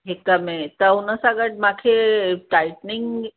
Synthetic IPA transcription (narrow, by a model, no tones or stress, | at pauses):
ɦekəmet̪əɦunəsaɡəʈ̚makʰeʈajʈniŋɡ